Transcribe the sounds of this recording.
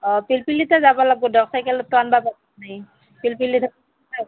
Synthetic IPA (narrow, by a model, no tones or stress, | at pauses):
ɔpilpilːitazabɔlaɡudɔksajkɛlɔtanbabakanaj | pilpilːidʰʱa | a